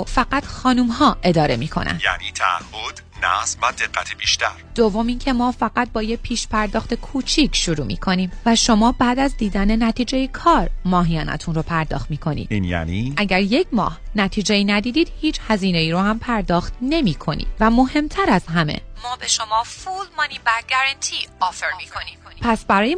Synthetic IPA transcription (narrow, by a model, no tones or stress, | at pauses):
fæɡæt̪xɒːnumhɒːʔe̞d̪ɒːɾe̞miːkʰo̞̰næ̰njæ̰ːniːt̪ʰæ̰a̰hːod̪ | næ̰svæd̪e̞ɢːæt̪ʰibiːʃt̪æ̰ɾd̪̥ovːo̞mincʰe̞mɒːfæɡæt̪̚bɒːjepʰiːʃpæɾd̪ɒːxt̪e̞kʰuːt͡ʃʰicʰʃuɾuːmḭːkʰo̞niːmvæʃo̞mɒːbæːd̪æzd̪iːd̪æne̞næt̪ʰiːd͡ʒe̞jikʰɒːɾmɒːɦijɒ̰ːnæ̰t̪ʰunɾoːpʰæɾd̪ɒ̰ːxt̪miːkʰo̞nḭd̪njæ̰niʔæɟæɾje̞cʰmɒ̰ːhnæt̪ʰiːd͡ʒe̞iːnæd̪iːd̪iːd̪̥hiːt͡ʃhæziːne̞iːɾohæmpʰæɾd̪ɒːxt̪ne̞miːkʰo̞nḭːd̪̥væmo̞he̞mt̪ʰæɾæz̥ɦæme̞̰mɒːbe̞ʃo̞mɒːfulmɒːniːbæɾɡæɾænt̪ʰiɒːfeɾmikʰoniopʰæsbæɾɒːje